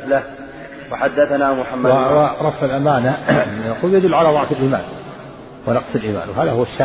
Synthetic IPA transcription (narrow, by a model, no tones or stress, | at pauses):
la | wɑħad̪ːaθanaːmʊħamːaɾˤɑfːalʔamaːnanaquːljad̪ʊlːʕalaːðˤɑʕfalʔiːma̰ːn | wɪnɑqsˤɪlʔiːma̰ːnwɦaːðahʊwaʃːaː